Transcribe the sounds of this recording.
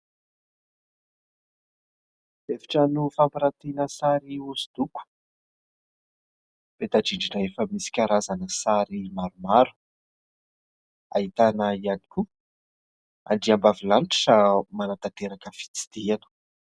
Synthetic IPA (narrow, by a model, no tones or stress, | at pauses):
efi̥ʈ͡ʂənufampiɾat̪enəsaɾiusu̥d̪uku̥ | pet̪ad͡ʒiɳɖ͡ʐinaefəmisi̥kʲaɾazanəsaɾimaɾumaɾu̥ | aɦit̪anəiani̥ku | a̰ɳɖ͡ʐiambavilanʈ͡ʂi̥ʈ͡ʂəmanat̪at̪eɾakəfi̥t͡si̥d̪̥ianu̥